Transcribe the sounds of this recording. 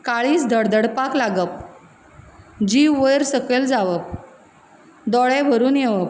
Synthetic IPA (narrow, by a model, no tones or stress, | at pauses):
kaɭiːsd̪ʱəɽd̪əɽpaklaɡəp̚ | d͡ʑiʋʋəjɾsəkeld͡zaʋəp | d̪ɔɭɛbʱəɾuːnjeʋəp